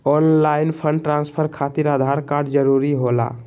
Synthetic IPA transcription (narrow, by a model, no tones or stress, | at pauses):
ɔnlainpʰəɳɖʈɾãnspʰəɾkʰat̪iɾad̪ʱaɾkaɾɖd͡ʒəɾuɾiɦola̰